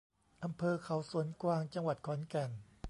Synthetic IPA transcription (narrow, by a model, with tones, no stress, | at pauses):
ʔa˧mpʰɤː˧kʰa˨˩˦wsu˩˦ənkwaː˧ŋt͡ɕa˧ŋwa˨˩t̪̚kʰɔː˩˦nkɛ˨˩n